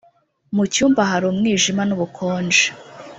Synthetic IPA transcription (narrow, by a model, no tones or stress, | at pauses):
mucuːmbaɦaɾomŋiːʒimanuβukʰoːnd͡ʒe̥